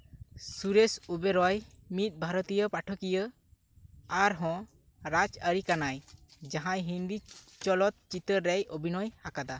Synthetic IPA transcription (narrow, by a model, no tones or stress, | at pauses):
suɾesubeɾɔj | mit̪̚ˀbʱaɾɔt̪ijəpaʈʰɔkijə | aɾɦɔ̃ | ɾad͡ʒəɾikanajd͡ʒaɦãjɦind̪i | t͡ʃɔlɔt̪̚t͡ʃit̪əɾːɛjobʱinɔjhakad̪a